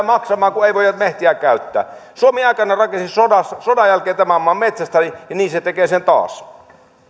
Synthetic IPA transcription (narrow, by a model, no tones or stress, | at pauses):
mɑksɑmɑːŋkueiʋoˑjɑt̪meht̪iæˑkæyt̪ːæ̰ːsuomiɑˑikɑnːɑrɑkensisodɑssodɑjælkeːt̪æmæmːɑːmmet̪sæst̪æijɑniːset̪ekeːsent̪ɑ̰ːs